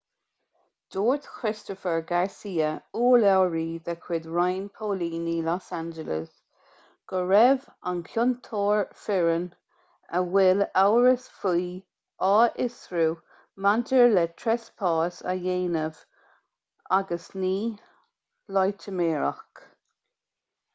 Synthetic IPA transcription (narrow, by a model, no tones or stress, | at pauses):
d̪̥oːɹt̪kʰɹɪstɔfəɹɡaɹsiːəuːlɛwɹiːðɛkʰwɪd̪ɹajnpʰoːliːnilɔsand͡ʒələ̰s | ɡ̥əɹɛvankʰjʊnt̪ʰoːɹfɪɹən | əwɪlawɹəsfuː | ʔɑːʔɪsɹuː | mantəɹlɛtʰɹɛspʰɑːsa̰jeːnəv̥ | aɡəsniː | lɔjtʰəmeːɹa̰xk